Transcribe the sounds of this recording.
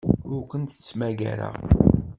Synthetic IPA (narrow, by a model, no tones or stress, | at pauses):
ʊɾkʷənt̪ə̥t͡sːmæɡæ̰ɾa̰